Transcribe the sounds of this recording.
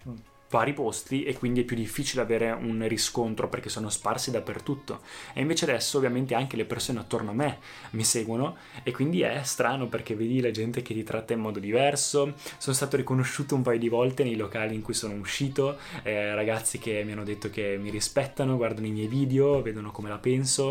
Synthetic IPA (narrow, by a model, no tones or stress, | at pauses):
vaːɾipost̪iʔekːwind̪iɛpːjud̪ifːiːt͡ʃileaveːɾeunriskont̪ɾoperk̟esːoːnosparsid̪apːert̪ut̪ːo̰ḛiɱveːt͡ʃead̪ɛsːoːvjament̪eaŋkelepersoːneat̪ːornoamːe | miseːɡwono | ekwind̪iɛst̪ɾaːnoperk̟evːeːd̪ilad͡ʒɛnt̪ek̟et̪it̪ɾʔat̪ːaimɔːd̪od̪ivɛrsosoːnost̪aːt̪oɾikonoʃːuːt̪oumpaːjod̪ivɔlt̪enejlokaːliːŋkujsoːnouʃːiːt̪o | raɡat̪sːikemːianːod̪et̪ːokemiɾispɛt̪ːanoɡward̪anoimjɛjviːd̪eoveːd̪onokomelapɛnso